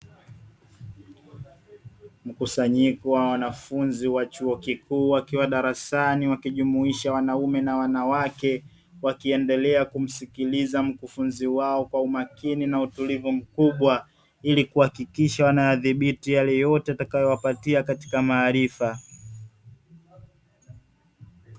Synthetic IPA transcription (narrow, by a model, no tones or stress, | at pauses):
m̩kusaɲikɔwawanafunziwat͡ʃuɔkikuːwakiwaɗaɾasaniwakiʄumuiʃawanaumɛnawanawakɛ | wakiɛndɛlɛakum̩sikilizam̩kufunziwaɔkwaumakininautulivum̩kuɓwa | ilikuhakikiʃawanajaðiɓitijalɛjɔtɛatakajɔwapatiakati̥kamaːɾifa